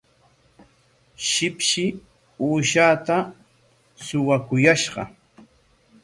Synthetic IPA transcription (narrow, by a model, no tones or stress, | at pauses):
ʃɪpʃɪ | uːʃaːt̪a | sʊwakʊjaʃɢɑ̰